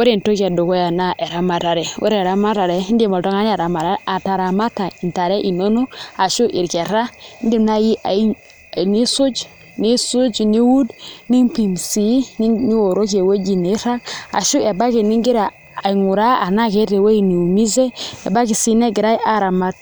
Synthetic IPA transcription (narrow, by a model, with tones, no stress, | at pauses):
we˦ɾe˨n˨to˦ka˨do˨ko˦ja˨na˦ʔe˨ɾa˨ma˨ɾa˨ɾe˨wḛ˦ɾe˨ɾa˨ma˦ɾa˨ɾe˦i˦ndi˦˨ma˨to˦ŋa˦n˦a˨ɾa˨ma˨ɾa˦a˨ta˨ɾa˨ma˦ta˨i˨n˨ta˨ɾe˦ʔi˨no˦no˦a˨ʃu˦ʔi˨ɾke˨ɾa˦i˦ndi˦mna˦ji˦ʔa˨i˦˨ | ni˦su˦d͡ʒ | ni˦su˦d͡ʒni˦wu˦dni˦ŋpi˨msi˨˦ni˦ni˦wo˨ɾo˦ke˨we˦d͡ʒi˨ne˨˦ɾa˦ka̰˨ʃu˦e˨ba˦ke˨ni˦ŋɡi˦ɾaː˨ | i˨ŋu˨ɾa˦a˨na˦ke˦ɾe˨we˦i˨ni˨u˨mi˦ze˦ḛ˨ba˦ki˨si˦ne˦ɡi˨ɾa˦jʔa˦ɾa˨ma˦t̚